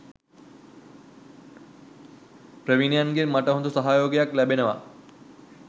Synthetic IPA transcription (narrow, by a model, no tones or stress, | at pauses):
pɾəʋinjanɡiɾmaʈəɦond̪usəɦajoɡjaklɛbenəʋa̰